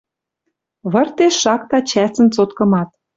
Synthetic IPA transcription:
βɤ̆rt̪eʃːɑkt̪ɑt͡ɕæsə̆nt͡sot̪kɤ̆mɑt̪̚

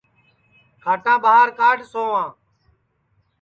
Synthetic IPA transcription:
kʰaːʈãːɓaɦaɾkaːɖsoːãː

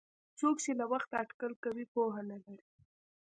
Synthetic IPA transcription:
t͡sokt͡ʃelawaxt̪aaʈkalkawipoɦanalaɾi

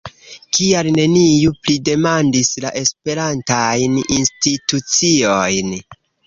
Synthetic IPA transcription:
kialne̞nijuplide̞mandislaʔe̞spe̞ɾantajninstitut͡sio̞jn

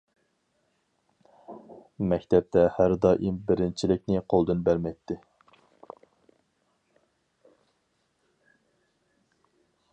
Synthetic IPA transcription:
mɛkʲt̪ʰɛp̚t̪ʰɛhæɾd̪ɑʔimbɪɾɪnt͡ʃʰilɪk̚ʲnɪqʰolˠd̪ɨnbæɾmɛjt̪ʰːɪ

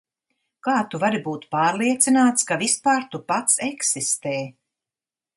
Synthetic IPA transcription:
kaːt̪uvaɾibuːt̪paːɾlˠiɛt̪sinaːt̪skavispaːɾt̪upat̪sɛksist̪eː

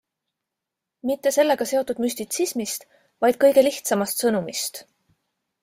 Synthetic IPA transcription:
mit̪ːe̞se̞lːe̞ɡ̥ɑse̞o̞t̪ːˑud̪mysʲt̪it̪sismist̪ | vɑjd̪̥̚kɤjɡe̞liht̪sɑmɑst̪sɤnumist̪

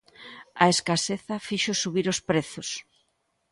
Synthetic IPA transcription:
ɐ̰eskaseθɐfiʃosuβiɾospɾeθʊs

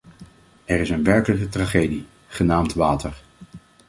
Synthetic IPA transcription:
ɛɹɪsənʋɛɹkələkətraχejdi | χənaːmtʋaːtəɹ

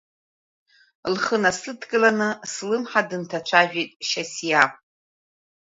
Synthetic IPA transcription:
lχənasɨtʰɡʼɨlanɨslɨmħadɨntʰat͡ʃʷʰaʒᶣijtʼʃasjapʼ

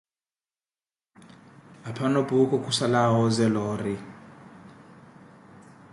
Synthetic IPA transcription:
apʰanobʱukʼɔkʼusalawɔzɛlɔːri

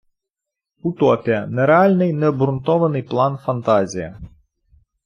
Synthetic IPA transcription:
ut̪ɔpʲijɐnɛɾɛalʲnɨjnɛɔbɾunt̪ɔʋɐnɨjplˠanfɐnt̪azʲijɐ̰

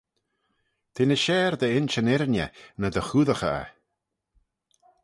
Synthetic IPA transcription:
t̪ʰenəʃɛːɾd̪əɪnt͡ʃənɪɾnjə̰nəd̪əxuːðəxa̰

